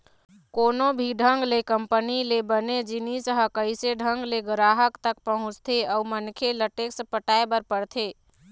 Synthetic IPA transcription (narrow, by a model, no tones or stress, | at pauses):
koːnobʱiɖʱəŋɡlekəmpənilebəned͡ʒinisəɦəkəɪseɖʱəŋɡleɡəɾaɦəkt̪əkpəɦʊ̃t͡ʃt̪ʰeəumənkʰeləʈeksəpəʈaebəɾpəɽt̪ʰe